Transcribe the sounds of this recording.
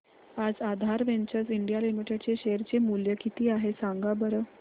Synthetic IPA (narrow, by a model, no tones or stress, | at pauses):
ad͡zad̪ʱaɾʋeɲt͡ɕəɾsiɳɖijalimiʈeɖt͡ɕeɕeəɾt͡ɕemuljəkit̪iːaɦesãŋɡabəɾə